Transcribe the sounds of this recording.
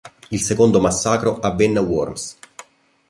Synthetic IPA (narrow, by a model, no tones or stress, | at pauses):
ilsekond̪omasːaːkɾoavːenːewɔrms